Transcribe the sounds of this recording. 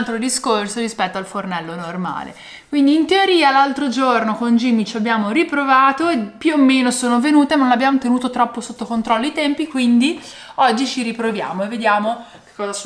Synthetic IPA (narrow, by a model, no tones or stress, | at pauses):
lt̪ɾod̪iskorsoɾispɛt̪ːoalfornɛlːonorma̰ːlḛ | kwind̪iːnt̪eoɾiːalalt̪ɾod͡ʒornokond͡ʒimːit͡ʃiabːjaːmoɾipɾovaːt̪oepjuomːeːnosoːnovenuːt̪emanonabːjaːmot̪enuːt̪ot̪ɾɔpːosot̪ːokont̪ɾɔlːoit̪ɛmpikwind̪i | ɔd͡ʒːit͡ʃiɾipɾovja̰ːmoevːed̪jaːmo | ke̥kːɔːza